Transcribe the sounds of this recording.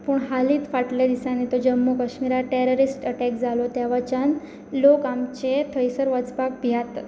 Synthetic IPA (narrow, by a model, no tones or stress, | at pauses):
puɳɦaliːt̪faʈljad̪isanit̪od͡ʑəmːukəɕmiɾaʈeɾoɾisʈəʈɛkd͡zalot̪jaʋat͡ɕan | lokamt͡ɕet̪ʰəjsəɾʋət͡spak̚bʱjat̪